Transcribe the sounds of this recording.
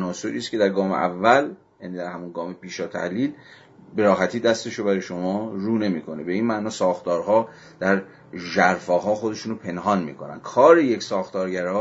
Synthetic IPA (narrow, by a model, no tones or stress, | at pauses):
ænɒːso̞ɾiːscʰe̞d̪æɾɡɒːmeʔæ̰vːæl | jæːniːd̪æɾhæmunɡɒːme̞pʰiːʃɒːt̪ʰæ̰hliːl | be̞ɾɒːɦæt̪ʰiːd̪æst̪e̞ʃobæɾɒjʃo̞mɒːɾuːne̞miːkʰo̞nebe̞iːnmænɒːsɒːxt̪ɒːɾɦɒː | d̪̥æɾ | ʒæɾfɒːɦɒːxo̞d̪e̞ʃuːnopʰe̞nɦɒːnmḭːkʰo̞næ̰n̥kʰɒːɾe̞je̞csɒːxt̪ɒːɾɟæɾɒː